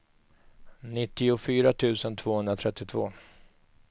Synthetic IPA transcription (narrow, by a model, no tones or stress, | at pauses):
nɪt̪ːɪʊfyːɾat̪ʰʉ̟ːsənt̪ʰv̥oːhɵnd̪ɾat̪ʰɾɛt̪ːɪt̪ʰv̥oː